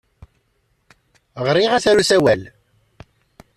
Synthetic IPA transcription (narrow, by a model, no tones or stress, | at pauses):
ʁɾiʁæθæɾusæwæl